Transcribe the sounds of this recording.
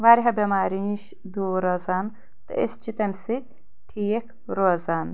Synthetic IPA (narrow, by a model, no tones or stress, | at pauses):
ʋaːɾiɦɐbemaːɾiniʃ | d̪uːɾozaːn | t̪ɨ̰ʔḛst͡ʃʰit̪ɐmʲsit̪̚ʲ | ʈʰijek | ɾoːzaːn